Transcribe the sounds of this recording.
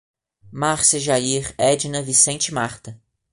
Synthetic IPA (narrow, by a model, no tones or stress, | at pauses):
maɾsɐʒaiɾɛd͡ʒɪnɐvisẽnt͡ʃɪmaɾt̪ɐ